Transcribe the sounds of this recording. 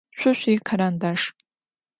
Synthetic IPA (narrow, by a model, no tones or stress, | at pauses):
ʃʷʰʊɕʷikʰaɾandaʂ